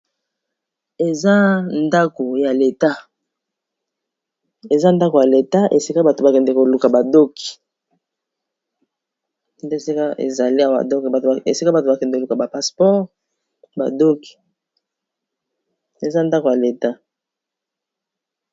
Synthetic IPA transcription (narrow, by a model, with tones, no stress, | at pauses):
e˨za˦nda˦ko˨ja˨le˨ta˦ | e˨za˦nda˦ko˨ja˨le˨ta˦ʔe˨si˦ka˦ba˨to˨ba˨kɛ˨nde˨ko˨lu˨ka˨ba˨do˦ki̥˨ | nde˦˨si˦ka˦ḛ˨za˨li˦a˨w̰do˦˨a˨e˨si˦ka˦ba˨to˨ba˨kɛ˨nde˨ko˨lu˨ka˨ba˨pa˨spɔ˦ʁ | ba̰˨do˦ki̥˨ | e˨za˦nda˦ko˨ja˨le˨ta˦